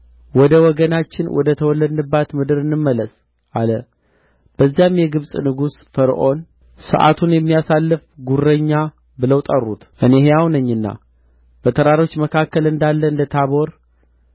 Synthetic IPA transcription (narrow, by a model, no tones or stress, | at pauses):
wɔd̪əwɔɡənat͡ʃːɪnwɔ̰d̪ət̪ʰəwɔlːəd̪nɨbːat̪mɨd̪ɨɾɨnːɨmːəlːəs | ʔalə | b̥əzːijamjɛɡɨβsʼnɨɡusfəɾʔo̞n | sɨ̰ʔa̰t̪ʰunjɛmːijasalːɨfɡurːəɲːa | bɨləwt̪ʼərːut̪ʔɨne̞ɦejawnəɲːɨnːa̰ | b̥ət̪ʰəɾaɾo̞t͡ʃːməkʰakːəlɨnd̪alːəɨnd̪ət̪ʰaβo̞ɾ